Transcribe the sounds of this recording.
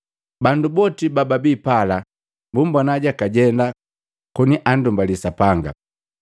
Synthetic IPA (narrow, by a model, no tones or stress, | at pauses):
bandubɔtibababiːpala | mbumbanaɟakaɟɛnda | kɔniʔan̩dumbalisapaŋɡa̰